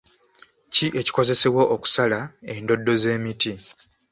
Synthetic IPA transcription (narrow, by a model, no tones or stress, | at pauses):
ciʔe̞ci̥ko̞ze̞se̞woʔːku̥salae̞ndo̞dːo̞ze̞ːmiti